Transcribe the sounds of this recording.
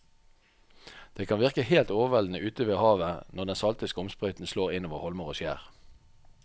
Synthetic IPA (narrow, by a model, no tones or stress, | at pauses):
d̪̥eːkʰɑnʋɪʁkəheːlt̪oːʋəʋɛln̩əʔʉːt̪əʋeːhɑːʋənɔʁd̪ɛnsɑlt̪ɪskəɔmspʁœʏt̪n̩sloːʁɪnoːʋəʁhɔlməʁoːʃjæ̰ːʁ